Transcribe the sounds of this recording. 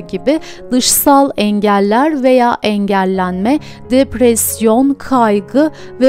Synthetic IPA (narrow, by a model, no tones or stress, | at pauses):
ɟibɪ | d̪ɯʃsalˠɛɲɟælʲːæɾve̞jaːʔɛɲɟælʲːænmɛ | d̪epɾɛsjo̞nkʰajɡɯ | vɛ